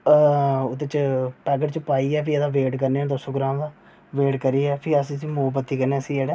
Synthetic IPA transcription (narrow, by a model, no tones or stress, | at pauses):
ʊd̪et͡ʃʈaːɡəʈt͡ʃəpaːiːɛːpʰiɛd̪aːʋeːʈkəɾneːɛːd̪osõːɡɾãːmd̪aː | ʋeːʈkəɾiːɛːpʰɪəsĩːsĩːmoːbət̪ːiːkəɾnẽːəsĩːd͡ʒeːɽɛː